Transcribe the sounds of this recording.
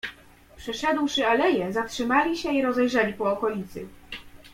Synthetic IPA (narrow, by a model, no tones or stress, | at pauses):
pʂɛʂɛd̪wʂɘalɛjɛzatʂɘmalʲiɕɛiɾɔzɛjʐɛlʲipɔːkɔlʲit̪sɘ̰